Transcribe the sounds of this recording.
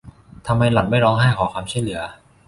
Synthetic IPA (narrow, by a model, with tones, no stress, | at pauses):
t̪ʰa˧mːa˧jla˨˩t̪̚ma˥˩jɾɔː˧ŋɦa˥˩jkʰɔː˩˦kwaː˧mt͡ɕʰu˥˩jlɯ˩˦ɐ